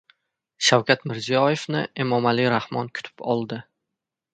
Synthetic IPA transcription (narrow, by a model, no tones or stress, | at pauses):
ʃawkʲʰat̪mɪɾzijɒje̞fnɪemɒmaliɾahmɒnkʰʊ̥t̪ʰɪ̥pɒlˠd̪ɪ